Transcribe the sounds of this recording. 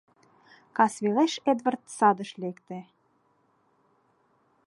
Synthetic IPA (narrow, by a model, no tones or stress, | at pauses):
kɑsβʲileʃed̪vərt̪̚sɑd̪ə̆ʃlʲekt̪ĕ